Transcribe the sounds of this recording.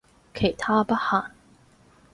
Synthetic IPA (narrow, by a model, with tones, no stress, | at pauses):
kʰe˨˩jt̪ʰaː˥pɐ˥t̚haː˨˩n